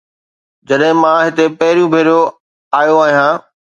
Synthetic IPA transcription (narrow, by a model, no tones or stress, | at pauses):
d͡ʑɐɗɦɪ̃mãɦɪt̪epɐɦɪɾijũbʱeːɾijo | aːjoaːɦijãː